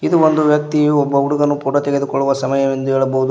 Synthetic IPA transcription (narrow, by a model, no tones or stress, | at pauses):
id̪uond̪uʋjɐk̚t̪iɔbːɐuɽuɡɐnːupuːʈɐt̪ɛɡed̪ukɔɭːuʋɐsɐmɐjɐmend̪uɛːɭɐbɐɦud̪u